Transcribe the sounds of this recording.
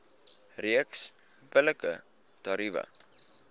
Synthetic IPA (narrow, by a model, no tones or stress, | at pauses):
riəks | bələkə̰ | t̪ɐɾivɐ̰